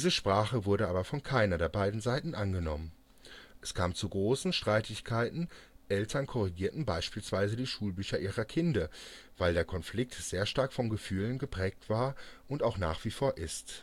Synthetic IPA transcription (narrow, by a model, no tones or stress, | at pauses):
d̥iːzəʃpʁ̥aːχəvʊɐɾəʔaːbɐfɔnkʰaɪnɐdeːɐbaɪdn̩zaɪtn̩ʔanɡənɔmən | ʔɛskʰaːmt͡suɡʁoːsn̩ʃtʁ̥aɪtʰɪçkʰaɪtn̩ʔɛltʰɐnkʰɔʁiɡiːɐtn̩baɪʃpiːlsv̥aɪzədiːʃuːlbyːçɐʔiːʁɐkʰɪndɐ | v̥aɪldeːɐkʰɔnflɪk̚tz̥eːɐʃtaɐkfɔnɡəfyːlənɡəpʁ̥ɛːk̚tv̥aːɐʔʊntaʊxna̰ːχv̥iːfoːɐʔɪst